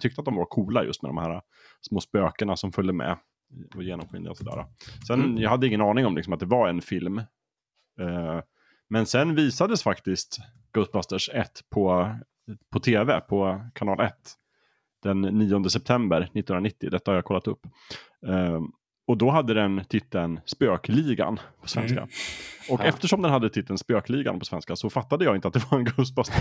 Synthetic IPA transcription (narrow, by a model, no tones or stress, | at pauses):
t̪ʰʏk̚t̪əat̪̚d̪ɔmvaɾkʰuːlajɵ̰st̪mɛ̰d̪ɔ̰mhæːɾa | smoːspøːkəɳasɔmfœlːəmɛ̰ | ɔjeːnɔmɧɪ̰nd̪ə̰ɔsɔd̪æ̰ːɾa̰sɛnjɑhad̪ːəɪŋːənɑːnɪŋɔmlɪksɔmat̪̚d̪ɛvaɾɛnfɪlm | mɛnsɛnviːsad̪əsfakt̪ɪst̪ | ɡ̥ɵt̪̚bast̪əʂɛt̪ːpʰɔ | pʰɔt̪ʰeːvɛpʰɔkʰanɑːlʔɛt̪ː | d̪̥ɛnːiːɔnd̪əsɛp̚t̪ʰɛmbəɾnɪt̪ːnɵnɾaɪt̪ːɪd̪ɛt̪ːahaɾjaːkʰɔlːat̪ɵpː | ɔd̪ɔɦad̪ːəd̪ɛnt̪ʰɪt̪ʰːənspøːkliːɡa̰npʰɔ̥svɛ̰nska̰ɔkɛft̪əʂɔmd̪ɛnhad̪ːət̪ʰɪt̪ʰːənspøːkliːɡa̰npʰɔ̥svɛ̰nskasɔfat̪ːad̪əjɑːɪnt̪at̪̚d̪ɛvaɾɛnɡost̪bast̪ə